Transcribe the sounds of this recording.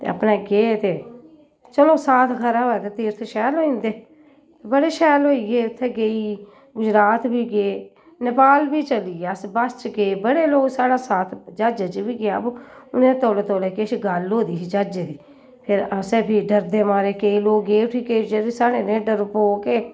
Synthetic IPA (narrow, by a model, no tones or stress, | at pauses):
t̪ḛːə̰pneːɡeːt̪eː | t͡ʃəloːsaːt̪ʰkʰəɾaɦoːɛːt̪eːt̪iːɾt̪ʰeʃɛːlɦoːĩːnd̪eː | t̪eːbəɽeːʃɛːloːiɡeːʊt̪ʰːeːɡeiː | ɡʊd͡ʒɾaːt̪biːɡeː | nɪpaːlbiːt͡ʃəliːeəsbəst͡ʃkeːbəɽeːloːɡsaːɽaːsaːt̪ʰd͡ʒaːd͡ʒat͡ʃbiːɡɪjaːbʊnẽːt̪oːloːt̪oːleːkeʃɡəlɦoːd̪iːsiːd͡ʒaːd͡ʒeːd̪iː | pʰɪɾəsebiːɖəɾd̪eːmaːɾeːkeiloːɡɡeːʊʈʰiːkeːd͡ʒeisaːɽeːnẽːɖəɾpoːkeː